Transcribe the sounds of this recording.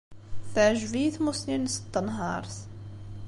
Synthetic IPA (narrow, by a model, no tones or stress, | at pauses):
θaʕʒviθmʊsninsə̥t̪ːnɦɑɾˤs